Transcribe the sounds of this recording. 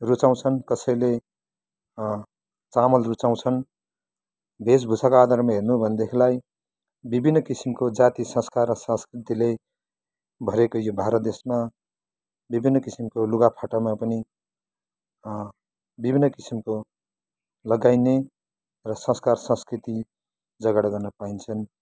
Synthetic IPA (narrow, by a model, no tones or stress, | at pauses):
rut͡saw̃t͡sʰʌnkʌsʌjle | t͡samʌlrut͡saw̃t͡sʰʌn | bʱesbʱusakoad̪ʱaɾmaɦernubʱʌnd̪ekʰilaj | bibʱinːʌkisimkod͡zat̪isʌ̃skarːʌsʌ̃skrit̪ile | bʱʌɾekojobʱaɾʌt̪̚d̪esma | bibʱinːʌkisimkoluɡapʰaʈamapʌni | bibʱinːʌkisimko | lʌɡajne | rʌsʌ̃skarsʌ̃skɾit̪i | d͡zʌɡaɽʌɡʌrnʌpaint͡sʰʌn